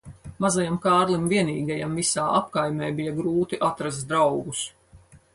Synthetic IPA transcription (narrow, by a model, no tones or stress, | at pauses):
mazajamkaːɾlˠimviɛniːɡajamvisaːʔapkajmʲɛːbijaɡɾuːt̪iʔat̪ɾaz̬t̪d̪ɾawɡus